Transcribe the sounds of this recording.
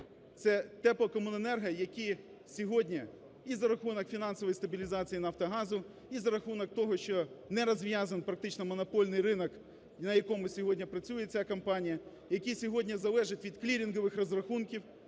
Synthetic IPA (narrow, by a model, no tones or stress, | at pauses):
t̪sɛt̪ɛplˠɔkɔmʊnɐnɛrɦɐjɐkʲi | sʲɔɦɔdʲnʲi | izɐɾɐxunɔkfʲinɑnsɔʋɔjst̪ɐbʲilʲizɑt͡sʲijinɐft̪ɐɦɑzʊ | izɐɾɐxunɔk̚t̪ɔɦɔʃt͡ʃɔnɛɾɐzʋʲjazɐnpɾɐk̚t̪ɪt͡ʃnɔmɔnɔpɔlʲnɪjrɪnɔk | nɐjɐkɔmʊsʲɔɦɔdʲnʲɐpɾɐt͡sʲujet͡sʲakɐmpɑnʲijɐ | jɐkʲisʲɔɦɔdʲnʲɐzɐlˠɛʒɪtʲʋʲid̪klʲiɾʲinɦɔʋɪxrɔzrɐxunkʲiw